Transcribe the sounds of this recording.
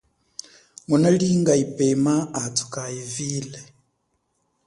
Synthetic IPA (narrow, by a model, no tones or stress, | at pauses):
munaliŋɡaipʼɛmaːtʰu̥kʼaiviːlɛ